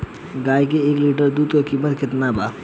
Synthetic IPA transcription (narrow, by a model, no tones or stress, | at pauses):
ɡaːjk̬eekliʈəɾd̪ud̪kokimət̪kʰɪt̪naba